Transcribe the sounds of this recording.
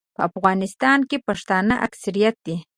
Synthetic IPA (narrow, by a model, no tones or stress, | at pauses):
paafɢanɪst̪aːŋkɪpaʂt̪anaʔaksɪɾjat̪ɪ